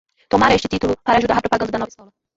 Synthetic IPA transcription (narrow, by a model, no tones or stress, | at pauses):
t̪omaɾɐeʃt͡ʃɪt̪it̪ulʊpaɾɐaːʒud̪aɾɐpɾopaɡɐ̃nd̪ɐd̪ɐnɔvɐiskɔlɐ